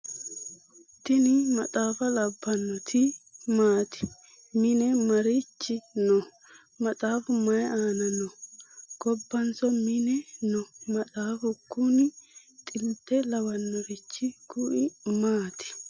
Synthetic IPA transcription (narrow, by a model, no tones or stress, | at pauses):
t̪ɪnɪmɐt̪ʼaːfɐlɐbːɐnːɔt̪ʰɪmaːt̪ɪ̥ | mɪnɛmɐɾɪt͡ʃːɪnɔ | mɐt̪ʼaːfʊmɐjaːnɐnːɔɡ̥ɔbːɐnsɔmɪnɛnɔmɐt̪ʼaːfʊkːʊnɪt̪ʼɪlt̪ːɛlɐwɐnːɔɾɪt͡ʃːɪkʊʔɪmaːt̪ɪ̥